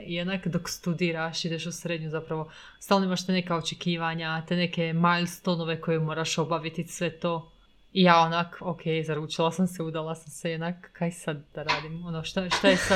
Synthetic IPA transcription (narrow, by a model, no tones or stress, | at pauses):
jed̪nakd̪okst̪ud̪iːɾaʃid̪eʃusɾed̪ɲuzapɾaʋo̞ | st̪alnoimaʃt̪enekaot͡ʃekiːʋaɲat̪ene̞ke̞majlst̪ono̞ʋe̞ko̞jemo̞ːɾaʃo̞baʋit̪isʋe̞t̪o̞ː | ijaːonakokʰejzaɾuːt͡ʃilˠasamseud̪alˠasamsejed̪nakːajsad̪̚d̪aɾaːd̪imonoʃt̪aʃt̪ajesa